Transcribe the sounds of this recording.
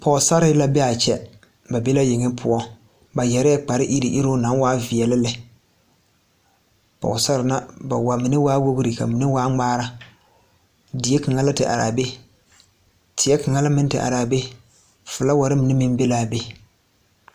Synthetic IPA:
pɔ˨sa˦ɾɪ˦la˦bɛ˦a˨t͡ʃɛ˦ | ba˨be˦la˦jɪ˨ŋɪ˦pʰʊ˦ɔ˦ | ba˨jɛ˨ɾɪ˦ɛ˦k͡pa˨ɾɪ˦ʔi˦ɾi˨ʔi˦ɾo˦na˨˦waː˦vi˨ɛ˨lɪ˦lɪ˨ | pɔ̰˨ʊ˨sa˦ɾɪ˨na˦ba˨wa˨mɪ˨nɪ˦waː˦wo˦bɨ˦ɾi˨ka̰˨mi˨nɪ˦waː˦ŋ͡maː˦ɾa˦ | di˨e˦kɨ˨ŋa˦la˦tɪ˨ʔa̰˨ɾa̰ː˨be˦ | tʰɪ˨jɛ˦kɨ˨ŋa˦la˦mɪ˦ntɪ̰˨ʔa̰˨ɾa˨be˦ | fʊ˨la˦wa˨ɾɪ˦mɪ˨nɪ˦mɪ˦mbe˦la˨be˦

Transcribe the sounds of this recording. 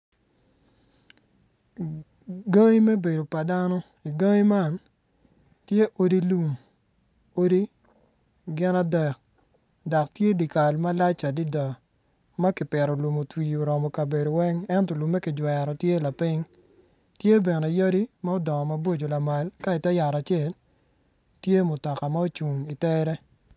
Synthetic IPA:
ɡa˦ŋi˦mɛ˦be˨do˨pa˨da˦nɔ˦ | i˨ɡa˦ŋi˦ma˦n | tje˦ʔo˦di˦lu˦˨m | o˦di˦ | ɡɪ˦na˦dɛ˨k̚ | dɔ˨k̚tje˦di˨ka˨lma˦la˦t͡ʃa˨di˦dɔ˨ | ma˦kɪ˨pɛ˨ɾɔ˨lu˨mo˨twi˨o˨ɾɔ˨mɔ˨ka˨be˨do˨wɛ˦ŋɛ˦ntɔ˨lu˨mːɛ˦kɪ˨d͡ʒwɛ˨ɾɔ˨tje˦la˨pɪ˦ŋ | tje˦be˨ne˨jo˦di˦ma˦o˦dɔ˨ŋɔ˨ma˦bo˦d͡ʒo˨la˨ma˨lka˦ɪ˨tɛ˦ja˨ɾa˨t͡ʃe˦˨l | tje˦mʊ˨tɔ˨ka˨ma˦o˦t͡ʃu˨ŋi˨tɛ˦ɾɛ˦

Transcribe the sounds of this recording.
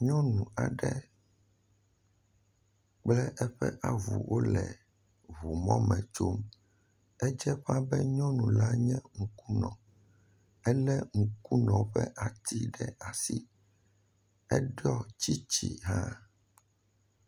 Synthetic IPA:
ɲɔ̃˦nũ˨a˨ɖɛ˦ | k͡plɛ˦ʔɛ˦ɸɛ̰˦ʔa˨vṵ˨wo˦lɛ˨ | βu˨mɔ̃˦mɛ̃˨t͡ʃo˦m | ɛ˦d͡ʒɛ˦ɸa˦bɛ˦ɲɔ̃˦nũ˨la˦ɲɛ̃˦ŋu˨ku˦nɔ̰̃˨ | ɛ˦lɛ˦ŋũ˨ku˦nɔ̃˨ɸɛ̰˦ʔa˨t̪i˦ɖɛ˦a˨si˦ | ɛ˦ɖɔ˦t͡ɕi˦t͡ɕḭ˨ɦã˦

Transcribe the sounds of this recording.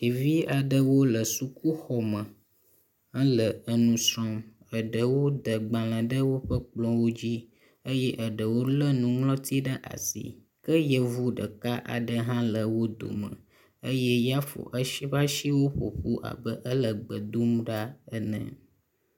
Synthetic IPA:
e˨vi˦a˨ɖə˦wo˦lə˨su˨ku˦xɔ˨mə̃˨ | ə̃˦lə˨ə˦nũ˦sɾɔ̃˦m | ə˨ɖə˨wo˦d̪ə˨ɡ͡bã˨lə̃˨ɖə˦wo˦ɸə˦k͡plɔ̃˦wo˦d͡ʑi˦ | ə˦jɛ˦ʔə˨ɖə˨wo˦lə˦nũ˨ŋlɔ̃˦t̪i˦ɖə˦ʔa̰˨sḭ˨ | kə˦jə˨vu˦ɖə˨ka˦ʔa̰˨ɖə˦ɦã˦lə˨wo˦d̪o̰˨mə̰̃˨ | ə˦je˦ja˦fo̰˨ʔə˦ʃi˦βa˦ʃi˦wo˦ɸo̰˨ɸu˦ʔa̰˨bə˦ʔə˦lə˨ɡ͡bə˨d̪u˦mɖa˦ə˦nə̰̃˨

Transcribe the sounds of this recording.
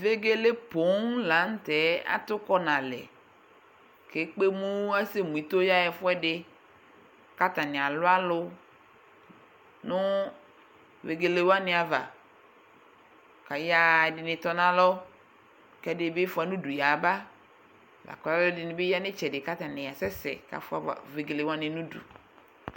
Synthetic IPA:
ve˦ɡe˦le˦po˨˦ŋla˨˦ŋ˦t̪ɛ˨˦a̰˦t̪ʊ˦kɔ˦nã˨lɛ̰˨ | ke˨˦k͡pe˦mũ˦a˦se˦mũ˨i˨t̪o˦ja˦jɛ˨fʊ˦ɛ˦ɖɪ˦ | ka˦t̪a˨nɪ̃˨a˨lʊ˦a˦lʊ˦ | nʊ̃˦ | ve˨ɡe˨le˨wa˦nɪ̃˨a˨va˨ | ka˨ja˨dɪ˨nɪ̃˨t̪ɔ˨nã˦lɔ˦ | kɛ˦dɪ˨˦be˦fa˨nũ˦du˨ja˨ba˦ | la̰˨kɔ˨la˦lʊ˦dɪ˨nɪ̃˨be˦ja˦nɪ̃˦t͡ʃɛ˨dɪ˨ka˦t̪a˨nɪ̃˨ja˨sɛ˦sɛ̰˨ka̰˨fʊ˦a˨a̰˨ve˨ɡe˨le˨wa˦nɪ̃˨nũ˦dṵ˨

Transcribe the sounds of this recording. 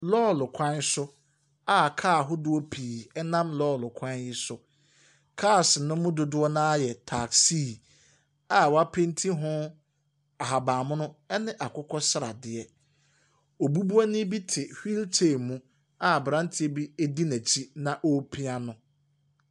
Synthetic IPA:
lɔ˦˨lʊ˨kʷʰã˦nsʊ˦ | a˨kʰaː˦˨ɦʊ˦dʊ˦ɔ˦pʰiː˨ɛ˦nã˦mlɔː˦˨lʊ˨kʷʰã˦njɪ˦sʊ˦ | kʰaː˦˨snʊ̃˦mʊ̃˦dʊ˨dʊ˦ɔ˦nã˦a˦jɛ˨tʰa˨ksi˦˨ | a˨wa˦pʰẽ˦n˦tʰi˦ɦʊ̃˦ | a˨ɦa˨baː˨mʊ̃˦nʊ̃˦ɛ˦nɪ̃˦ʔa˨kʰʊ˦kʰɔ˦sɾa̰˨dɪ˨ɛ˨ | o˨bu˦bu˦a˦nɪ̃˦bi˦tʰɪ˨hi˦ltʰe˦˨mũ˦ | a˨bɾã˦n˦tʰɪ˦e˦bi˦e˦di˦næ˨t͡ɕʰi˦nã˨ʔo˦pʰi˦a˦nʊ̃˨

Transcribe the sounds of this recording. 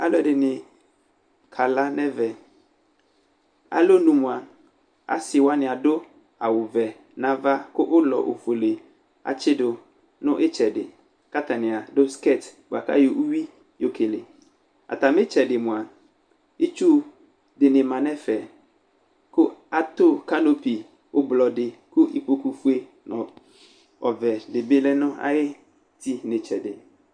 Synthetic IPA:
a˦lɔ˦˨dɪ˨nɪ̃˨ | kʰa˨la˦nɛ̃˦vɛ˨ | a̰˦lo˦nũ˨mʊ̃˨a˨ | a̰˦sɪ˨wa˦nɪ̃˨a˨dʊ˦ | a˨wʊ˨vɛ˨ | nã˨va˦kʊ˦ʔʊ˦lɔ˨ʔo˨fo˨le˨ | a̰˨t͡ʃɪ˦dʊ˨ | nʊ̃˦ʔɪ˦t͡ʃɛ˨dɪ˨ | ka˦t̪ʰa˨nɪ̃˨a˨dʊ˦ske˦˨tbʊ˨a˨ka̰˦jo˨ʔu˦wi˦ | jo˨kʰe˨le˨ | a̰˨tʰa˨mɪ̃˦t͡ɕʰɛ˨dɪ˨mʊ̃˨a˨ | ɪ˦t͡ʃu˦ | dɪ˨nɪ̃˨mã˨nɛ˦fɛ˨ | kʰʊ˦a˦tʰʊ˦kʰa˦no˦pi˨ | ʊ˦blɔ˨dɪ˨kʰʊ˦ʔi˨po˨ku˨fu˦e˦ | nʊ̃˨ | ɔ˨vɛ˨dɪ˨bɪ˦lɛ˦nʊ̃˦a̰˦jɪ˦ | tʰi˦nɪ̃˨t͡ɕʰɛ˨dɪ˨

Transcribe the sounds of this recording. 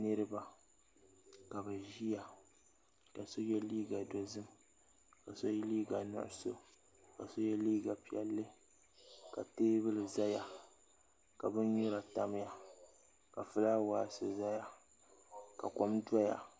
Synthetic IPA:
nɨ˦ɾɨ˦ba˨ | ka˨bɛ˨ʒi˦ja˨ | ka˨so˦jɛ˦liː˦ɡa˨do˨zɨ˦m | ka˨so˦liː˦ɡa˨nʊ̰˦˨ʔʊ˦so̰˦ | ka˨so˦jɛ˦liː˦ɡa˨pi˨ɛ˨lːɨ˦ | ka˨teː˦bɨ˦lɨ˨za˦ja˨ | ka˨bɨ˦n˦ɲʊ˦ɾa˨ta˦m˦ja˦ | ka˨fɨ˦laː˦waː˨sɨ˨za˦ja˦ | ka̰˨ko˦mdʷa˦ja̰˨

